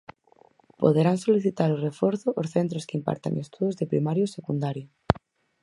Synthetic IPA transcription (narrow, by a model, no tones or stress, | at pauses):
po̰ðeɾaŋsoliθit̪aɾorefɔɾθʊʔosθent̪ɾoskimpa̰ɾt̪a̰ŋest̪uðozðepɾimaɾjosekund̪aɾjo